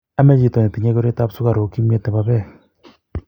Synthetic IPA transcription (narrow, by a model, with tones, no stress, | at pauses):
a˦mɛ˦t͡ʃi˨tɔ˨ne˨ti˨ɲɛ˦ko˦ɾe˦ta˦psu˦ka˨ɾo˨ki˦me˦tɛ˨pa˧pɛ˦